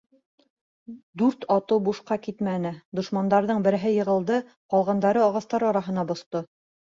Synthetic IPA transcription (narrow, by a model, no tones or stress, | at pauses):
d̪ʉɾt̪ɑt̪ɤwbuʃqɑkit̪mænɘd̪ŏʃmɑnd̪ɑɾðɤɴbɘ̆ɾɘ̆ɦɘjɤ̆ʁɤ̆lˠd̪ɤ | qɒlˠʁɑnd̪ɑɾɤɒʁɑst̪ɑɾɒɾɑɦɤ̆nɑbŏst̪o